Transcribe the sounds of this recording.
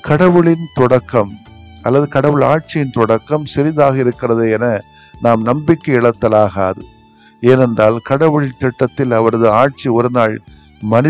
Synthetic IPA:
kɐɽɐʋɯɭɪnt̪ɔɽɐkːɐm | ʔɐlːɐðɯkɐɽɐʋɯɭaːʈ̚t͡ʃɪjɪnt̪ɔɽɐkːɐmsɛɾɪðaːɣɐɪɾɯkːɪrɐðɯɛnɐ | naːmnɐmbɪkːɐɪɭɐt̪ːɐlaːɣɐɐðɯ | eːnɛndraːlkɐɽɐʋɯɭɪnt̪ɛʈːɐt̪ːɪlɐʋɐɾɐðɯaːʈ̚t͡ʃiɔɾɯnaːɭ | mɐnɪ

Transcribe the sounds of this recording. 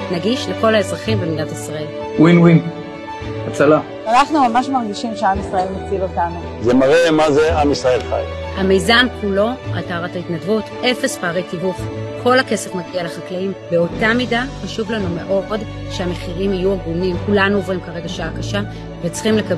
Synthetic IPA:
naɡiʃle̞ko̞lae̞zʁaχimbemidatisʁae̞l | winwin | at͡sala | anaχnumamaʃmaʁɡiʃimʃeamisʁɐe̞lmot͡silotanu | zemaʁemazeamisʁae̞lχa̰j | hame̞jzankulo̞a̰taʁataitnadvut | e̞fe̞spaːʁejtivufkʰo̞lake̞se̞fmaɡialeχaklaimbeo̞tamidaχaʃuvlanume̞ʔo̞d | ʃeame̞χiʁimajuaɡunimkulanuovʁimkaʁe̞ɡaʃaakaʃa | vet͡sχimleka

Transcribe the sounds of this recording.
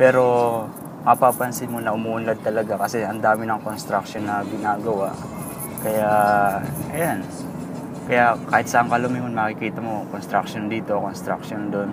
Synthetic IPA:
pɛːɾo̞ | mɐpapɐnsɪmonɐʔʊmuːʔʊnlɐd̪̚t̪ɐlɐɡakɐsɛʔɐnd̪aːmɪnɐŋko̞nst̪ɾɐk̚ʃonːɐɡɪnaːɡɐwaʔ | kɐja | ʔɐjan | kɐjaʔkaːhɪt̪̚sɐʔɐŋkɐlʊmɪŋonmɐkɪkiːt̪ɐmo̞konst̪ɾɐkʃond̪iːt̪o̞ko̞nst̪ɾɐ̰kʃond̪o̞n

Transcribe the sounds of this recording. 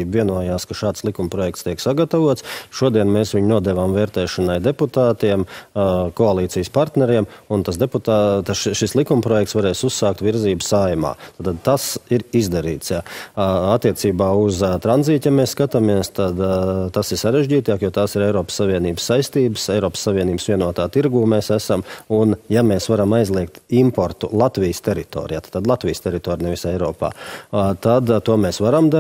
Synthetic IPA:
iːbviɛnuɔjaːskaʃaːt̪slˠikumpɾɔjɛkt̪st̪iɛksaɡɐt̪avuɔt̪sʃuɔd̪iɛnmeːsʋʲiɲnuɔd̪ɛʋaːmvɛːɾt̪ɛːʃɔnajd̪eput̪aːt̪iɛmkoalˠiːt̪siːjəspaɾt̪nɛɾiɛmunt̪asd̪eput̪at̪aʃʃislˠikumpɾɔjɛkt̪sʋaɾɛːsusːaːkt̪ʋiɾziːbsajma̰ːt̪aːt̪ad̪̚t̪asiɾizd̪aɾḭːt̪sjaat̪ːiɛt̪siːbaːuzt̪ɾanziːt̪jameːsskat̪amiɛst̪ad̪t̪asiɾsaɾeʒʲɟiːt̪aːkjot̪aːsiɾɛjɾɔːpsːaʋiɛniːbəsːajst̪iːbəsɛjɾɔːpsːavʲiɛniːbsʋʲiɛnuɔt̪aːt̪iɾɡuːmeːsæsamunjameːsʋaɾamajzlˠiɛk̚t̪impoɾt̪ulˠat̪ʋijst̪eɾit̪o̰ːɾijaːt̪ḁːt̪ad̪lˠat̪ʋijst̪ʲeɾit̪oːɾinɛʋisɛjɾɔːpa̰ːt̪ad̪t̪uɔmeːsʋaɾamd̪a

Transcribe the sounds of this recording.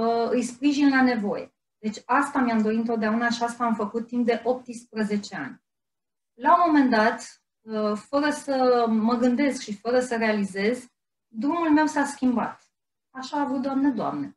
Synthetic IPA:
ɨjspɾiʒinlane̞vo̞jḛ | d̪̥e̞t͡ʃʲast̪amiamd̪o̞itɨnt̪ot̪d̪eaunaʃiast̪aːmfəkut̪ːimp̚d̪e̞ʔo̞p̚t̪ɨspɾəze̞t͡ʃe̞a̰nʲ | laomo̞me̞nd̪at̪ | əfəɾəsəməɡɨnd̪e̞skʃifəɾəsəɾe̞alize̞z | d̪ɾumulme̞wsaskʲimba̰t̪ | aʃaːvut̪̚d̪oamned̪oa̰mne

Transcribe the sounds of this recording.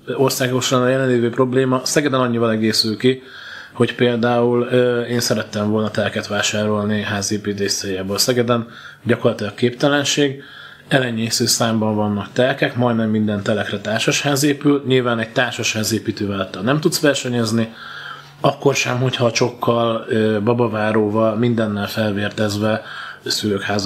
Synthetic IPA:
o̞rsaːɡo̞ʃaːnɒjɛlɛnleːveːpro̞bleːmɒsɛɡɛd̪ɛnɒɲːivɒlɛɡeːsylki | ho̞cpeːld̪aːuløeːnsɛɾɛt̪ːɛɱvo̞lnɒt̪ɛlkɛt̪ʋaːʃaːɾo̞lniɦaːzeːpiːt̪eːʃseːjaːboːlsɛɡɛd̪ɛn | ɟɒko̞rlɒt̪ilɒkːeːpt̪ɛlɛnʃeːɡ | ɛlɛɲːeːsøːsaːmbɒɱvɒnːɒkt̪ɛlkɛkmɒjd̪nɛmːind̪ɛnt̪ɛlɛkrɛt̪aːrʃɒʃhaːzeːpylɲilvaːnɛɟ̚t̪aːrʃɒʃhaːzeːpiːt̪øːvɛlɛt̪ːɒnnɛmt̪ut̪sʋɛrʃɛɲɛzni | ɒkːo̞rʃɛmɦo̞chɒt͡ʃo̞kʰːɒløbɒbɒvaːɾoːvɒlmind̪ɛnːɛlfɛlveːrt̪ɛzvɛsyløːkhaːz

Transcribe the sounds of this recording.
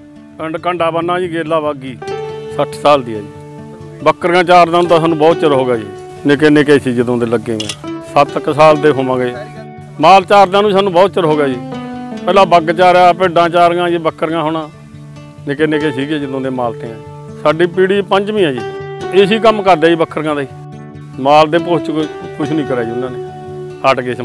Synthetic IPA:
əɳɖkəɳɖaːbənːãːiːɡeːlaːbaːɡiːsəʈʰsaːld̪iːa̰ːiː | bəkːəɾɡãːt͡ʃaːɾd̪aːnũːt̪aːsaːnũːbɔːt̪t͡ʃəɾɦoːɡaːḭː | nẽːk̬ɪnẽːkɛːsiːd͡ʒəd̪õːd̪eːləɡːḛːɛ̰ːsət̪ksaːld̪eːɦoːmãːɡeː | maːlt͡ʃaːɾd̪ãːnũːsaːnũːbɔːt̪̚t͡ʃəɾɦoːɡaːd͡ʒiːpɛːlãːbəɡt͡ʃaːɾaːpeːɖãːt͡ʃaːɾɡãːd͡ʒiːbəkʰːəɾɡãːɦoːɽ̃ãː | neːkɪnẽːkɛːsiːkɛːd͡ʒəd̪õːd̪eːmaːlt̪ʰeːãː | saːɖiːpiːɽiːpəɲt͡ʃʋĩːãːd͡ʒiːeːsiːk̬əmkəɾd̪eːiːbəkʰːəɾɡãːd̪aiː | maːld̪eːpost͡ʃkʊt͡ʃʰnĩːkəɾɛːd͡ʒiːʊnãːneː | əʈɡeː

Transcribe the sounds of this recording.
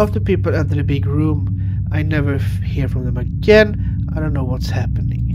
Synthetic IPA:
ɔfðə̥pipl̩ˠãntɨðɨbɪɡɹũm | aɪnɛvə˞ | hiɹfɹʌ̃mðə̃mɨɡɛ̃n | aɪdõʊ̃nːoʊwʌtshæpɨnɪ̃ŋ

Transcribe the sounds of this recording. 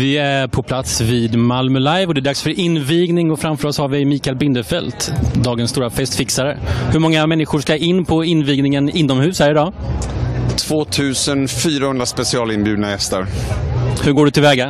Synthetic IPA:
vɪæɾpʰɔpʰlat̪sviːd̪malmœlajvɔd̪ɛæɖ̪aksfœɾʔɪnːviːɡnɪŋɔfɾamfœːɾɔshaɾvɪmiːkaɛlbɪnd̪əfɛlt̪d̪ɑːɡənst̪uːɾafɛst̪fɪksaɾəhɵɾmɔŋːamɛnːɪɧʊʂkaʔɪnːpʰɔɪnːviːɡnɪŋənɪnːɔmhʉ̟ːsæɾɪdɑ | t̪ʰv̥oːt̪ʰʉ̟ːsənfyːɾahɵnd̪ɾaspɛsɪɑːlɪnbjʉd̪najɛst̪ə̰ɾ | hɵɾɡoːɖɵt̪ʰɪlvɛːɡa

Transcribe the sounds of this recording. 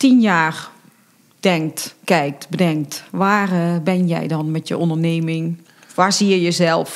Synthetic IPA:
tinjaːr | d̥ɛŋtkɛjk̚tbdɛŋtʋaːrbɪnjɛ̰jdɔnmɛtjə̰ʔondərneːmɪŋ | ʋaːsiəjəzɛlˠf

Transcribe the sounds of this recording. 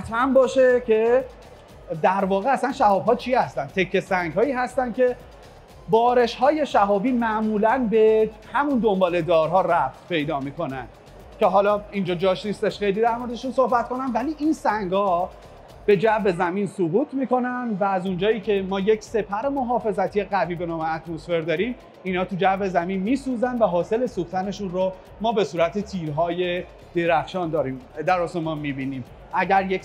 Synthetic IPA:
hæt̪ʰmænbɒːʃecʰe̞ | d̪æɾvɒːɣeæsænʃæhɒːb̥hɒːt͡ʃʰiːhæst̪ænd̪̚t̪ʰe̞kʰːe̞sæŋɡɦɒːiːɦæst̪ænkʰe̞ | bɒːɾe̞ʃhɒːje̞ʃæɦɒːbiːmæʔmuːlænbe̞ | hæmund̪o̞mbɒːle̞d̪ɒːɾɦɒːræf̚t̪pʰe̞jd̪ɒːmiːko̞næ̰nd̪̥ | cʰeɦɒːlɒːind͡ʒɒːd͡ʒɒːʃnist̪e̞ʃxe̞jliːd̪æɾmo̞ɾed̪eʃunso̞hbæt̪̚ko̞næmvæliːʔinsæŋɡhɒː | b̥e̞d͡ʒæve̞zæminsuɣuːt̪ʰmiːko̞nænd̪væːzund͡ʒɒːiːcʰe̞mɒːjecse̞pʰæɾemo̞ɦɒːfe̞zæt̪ʰijeɣæviːbe̞nɒːme̞æt̪mo̞sfe̞ɾd̪ɒːɾim | iːnhɒːt̪ʰud͡ʒæve̞zæmiːnmiːsuːzænd̪væɦɒːse̞le̞suxt̪ʰæne̞ʃunɾo | mɒːbe̞suːɾæt̪ʰet̪ʰiːɾɦɒːje̞ | d̪̥eɾæxʃɒːnd̪ɒːɾiːmd̪æɾosemɒnmiːbiːniːm | ʔæɟæɾje

